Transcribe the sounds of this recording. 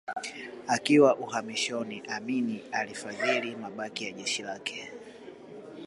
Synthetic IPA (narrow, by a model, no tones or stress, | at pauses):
akiwaʔuhamiʃɔniʔaminialifaðilimaɓakijaʄɛʃilakɛ̥